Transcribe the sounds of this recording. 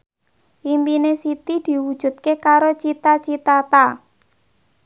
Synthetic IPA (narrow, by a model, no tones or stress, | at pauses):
impinesit̪id̪̥i̤wud̥ʒ̥ṳt̪̚kekaɾot͡ʃit̪at͡ʃit̪at̪a